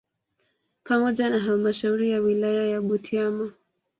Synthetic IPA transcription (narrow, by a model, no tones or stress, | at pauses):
pamɔʄanaɦalmaʃauɾijawilajajaɓutʰiama